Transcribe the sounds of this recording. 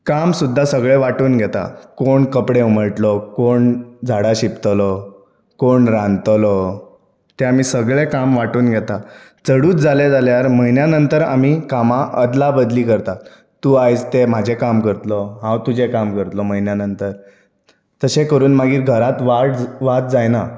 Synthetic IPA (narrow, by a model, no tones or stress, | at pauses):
kamsud̪ʱːasəɡɭeʋaʈuːnɡʱɛt̪a̰koɳkəpɽeuməɭʈlɔkoɳd͡zʱaɽaɕipt̪lɔ | koɳɾãnt̪lɔ | t̪eam̤iːsəɡɭekamʋaʈuːnɡʱɛt̪a | t͡səɽuːt̪̚d͡zaled͡zaljaɾməɦinjanənt̪əɾam̤iːkamaʔəd̪labəd̪liːkəɾt̪a | t̪ːuːajt͡st̪em̤ad͡ʑʱekamkəɾt̪lɔɦãwt̪ud͡ʑʱekamkəɾt̪lɔməjnjanənt̪əɾ | t̪əsekəɾuːnmaɡiːɾɡʱəɾat̪ʋaʈʋat̪̚d͡zajna